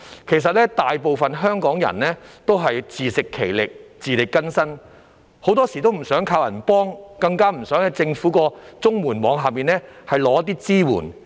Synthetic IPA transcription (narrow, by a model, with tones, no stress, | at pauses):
kʰe˨˩js̬ɐ˨t̚lɛː˥t̪aː˨jpo˨wfɐ˨nɦœː˥ŋkɔː˨˥ŋjɐ̰˨˩nlɛː˥t̪o˥wɦɐ˨jt͡siː˨sɪ˨kʰːe˨˩jlɪ˨k̚t͡siː˨˧lɪ˨kːɐ˥nsɐ˥n | ho˨˥wt̪ɔː˥si˨˩t̪o˥wm̩˨˩sœː˨˥ŋkʰaː˧wjɐ˨˩npɔː˥ŋkɐ˧ŋkaː˥m̩˨˩sœː˨˥ŋɛ˨˧t͡sɪ˧ŋfuː˨˥kɔː˧t͡sʊ˥ŋmuː˨˩nwɔː˨˥ŋɦaː˨miː˨nlɛː˥hɐ˨jlɔː˨˧˥ɐ˥t̪̬iː˥t͡siː˥wṵː˨˩n